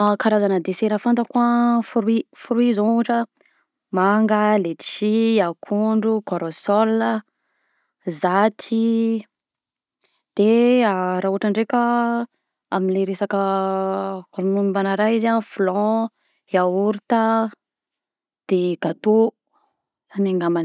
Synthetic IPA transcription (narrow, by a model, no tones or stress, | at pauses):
akaɾazanəd̪eseɾafant̪əkuəfuɾifuɾuizuuʈ͡ʂə | maŋɡəlet̪iʃiakʰuɳɖ͡ʐukoɾosɔlə | zat̪ʰi | d̪̥eaɾauaʈ͡ʂaɳɖ͡ʐekʲə | aminleɾesakə | ɾununimbanaɾaɦizanfulɔ̃ | heauɾut̪ə | d̪̥eɡ̥at̪o | aneŋɡaman